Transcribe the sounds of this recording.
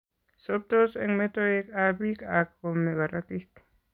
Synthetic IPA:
sop̚t̪oseŋmet̪oekabikakːomeɣaɾakit̪

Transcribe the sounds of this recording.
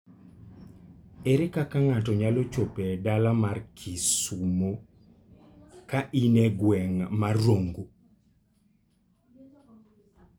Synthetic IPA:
ɛɾɛkakaŋatɔɲalɔt͡ʃopedalamarkʰisumo | kaʔinɛɡwɛŋmarːoŋɡo

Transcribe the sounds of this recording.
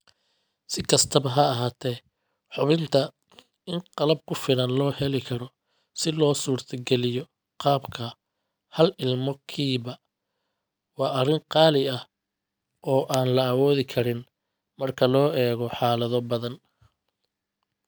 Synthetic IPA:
sɪkʰɐst̪ʰɐβɐɦɐːɦaːt̪ʰɛː | ħʊβɪnt̪ʰɐ | ɪnqɑlɐb̚kʰʊfɪlɐnlɔːhɛlɪkʰɐɾɔ | sɪlɔːsuːrt̪ʰɐɡɛlɪjɔ | qɑːbkʰɐ | hɐlɪlmɔkʰiːβɐ | wɑːʔɐɾɪŋqɑːlɪɐh | ʔɔːʔaːnlɐːwɔːðɪkʰɐɾɪn | mɐrkʰɐlɔːɛːɣɔħɑːlɐðɔbɐðɐn

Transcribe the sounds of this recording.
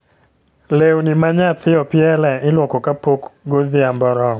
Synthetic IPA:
lewnimaɲat̪ɪɔpɪɛlɛɪlwɔkokapokɡoðɪambɔɾɔ

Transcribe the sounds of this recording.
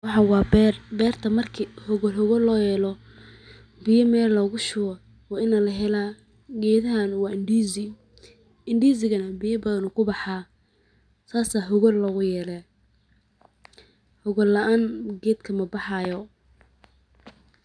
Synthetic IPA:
wɑħɑwɑːbrbɛːrt̪ʰɐmɐrkʰihɔɣɔlɦɔɣɔlːɔːjɛːlɔ | bɪjɐmɛːllɐɣʊʃʊɣɐ | wɑːɪnɐlɐɦɛlaː | ɡɛːðɐɦanwɑːɪnɖizɪ | ɪnɖiːsɪɣɐnɐbɪjɐbɐðɐnʊkʰʊbɑħɑː | saːsaːɦɔɣɔlːɔɣʊjɛːlɛ | hʊɣɔlːɐʔaːnɡɛːd̪kʰɐmɐbɑħɑjɔ

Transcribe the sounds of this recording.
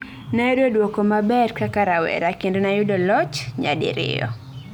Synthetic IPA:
najʊdodwokɔmabɛɾkakaɾawɛ̰ɾakendonajʊdɔlɔt͡ʃɲa̰dɪ̰ɾɪ̰jɔ̰

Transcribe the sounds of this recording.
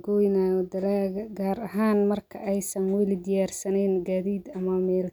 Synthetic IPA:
ɡɔjnaːjɔd̪ɐlaɐɡaːɾɐɦaːnmɐrkʰɐʔɛjsɐnwɛlɪd̪ɪjaːrsɐnɛːnɡaːðiːd̪ɐmɐmɛːl

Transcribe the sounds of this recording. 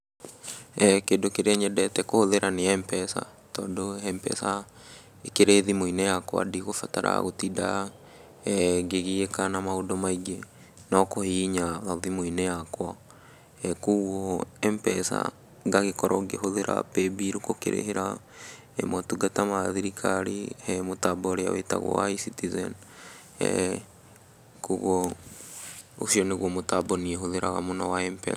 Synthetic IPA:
ɛkendokeɾeeɲɛdɛtɛkohoðeɾaneaɛmpɛsa̰ | tɔ̰ːndohɛmpɛ̰sa | ekeɾeːðimoinɛjakwa̰diɣofataɾa̰ɣotida̰ | ɡeɣiekanamaodɔmaiɡe | nɔkohiɲaɣaðimoinɛjakwa | ɛkuɣɔɛmpɛsa̰ | ɡaɣekɔɾʔɔɡeɦoðeɾʔa̰pebiɾukokḛɾʔḛheɾa | ɛ̰mɔtuɡatamaðiɾikʰaɾihɛmotabɔɾea̰wḛta̰ɣwɔ̰wa̰isitizɛ̰n | ɛ̰ | kuɣɔ | o̰ʃiɔneɣwɔmotabɔnieɦoðeɾa̰ɣa̰monawaɛmpɛ̰

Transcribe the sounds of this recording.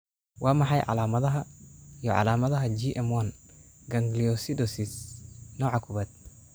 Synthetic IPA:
wʔɑːmɑħɑjʕɑ̰laːmɐðɐɦɐjɔʕɑ̰laːmɐðɐɦɐd͡ʒiʔɛmwɐnɡɐŋɡliɔsid̪ɔsisnɔːʕɑkʰʊβɐd̪̚

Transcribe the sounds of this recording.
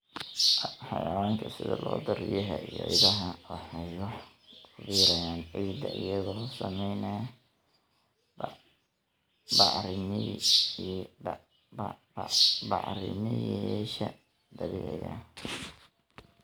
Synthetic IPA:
ħɑjɐwaːŋkʰɐsɪðɐlɔːd̪ɔɾɪjɐɦɐij̰ʕḭːdɐɦɐwɑħɑjɔ | βiɾɐjaːnʕiːd̪ɐʔɪjɐɣɔːsɐmɛjnɐj | b | bɑʕɾɪnɪ | bɑ̰ʕɾɪ̰nɪjʃɐ | d̪ɐβɪ̰ɛ̰ja̰

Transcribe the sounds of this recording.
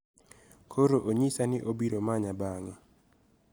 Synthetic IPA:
kʰoɾoʔoɲisanɪʔobiɾomaɲabaŋɛ

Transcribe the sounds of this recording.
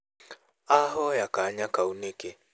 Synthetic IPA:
aɦɔjakaɲakauneke

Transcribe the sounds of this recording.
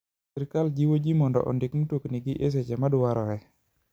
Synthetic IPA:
ɛɾkald͡ʒiwod͡ʒimɔndɔ̰ʔɔ̰ndɪkmutokniɡɪʔes̬ɛd͡ʒɛmadʊwaɾɔɛ

